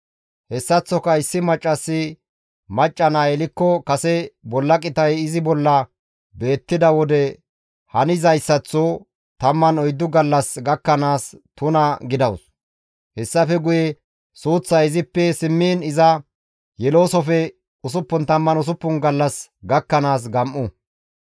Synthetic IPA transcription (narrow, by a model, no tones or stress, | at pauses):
hɛsːɐt͡sːɔkɐɪsːɪmɐt͡ʃʼːɐsːɪ | mɐt͡ʃʼːɐnaːɛlɪkːɔkɐsɛbɔlːɐkʼɪt̪ɐjɪzɪbɔlːɐ | be̞ːt̪ːɪd̪ɐwɔd̪ɛ | hɐnɪzɐjsːɐt͡sːo | t̪ɐmːɐnɔjd̪ːʊɡɐlːɐsɡɐkːɐnaːst̪ʊnɐɡɪd̪ɐws | hɛsːɐfɛɡʊjɛ | suːt͡sːɐɪzɪpːɛsɪmːiːnɪzɐ | jɛlo̞ːsɔfɛ | ʊs̬ʊpːʊnt̪ɐmːɐnʊs̬ʊpːʊnɡɐlːɐsɡɐkːɐnaːs̬ɡɐmʔʊ